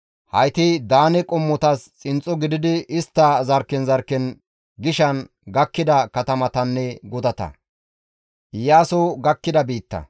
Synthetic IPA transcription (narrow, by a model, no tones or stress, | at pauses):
hɐjt̪ɪd̪aːnɛkʼɔmːɔt̪ɐst͡sʼɪnt͡sʼːɔɡɪd̪ɪd̪ɪɪst̪ːɐzɐɾkːɛnzɐɾkːɛn | ɡɪʃɐn | ɡɐkːɪd̪ɐkɐt̪ɐmɐt̪ɐnːɛɡɔd̪ɐt̪ɐ̰ | jaːsɔɡɐkːɪd̪ɐbiːt̪ːɐ̰